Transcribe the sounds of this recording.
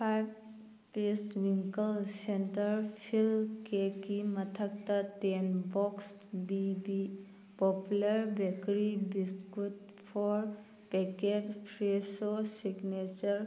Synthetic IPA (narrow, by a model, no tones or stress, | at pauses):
pʰajb | pestwiŋkəlsentəɾpʰilkekimɐtʰək̚tatenbɔks | bibi | pɔpulɐɾbɛkɾibistɡut | pʰɔɾ | peked͡ʒpʰɾesosiɡnet͡ʃəɾ